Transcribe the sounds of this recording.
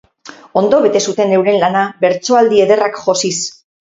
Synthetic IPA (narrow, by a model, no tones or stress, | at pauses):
o̞nd̪o̞βe̞t̪e̞sut̪e̞ne̞wɾe̞nlanabe̞ɾt͡so̞ald̪ie̞ðe̞rakʝo̞sis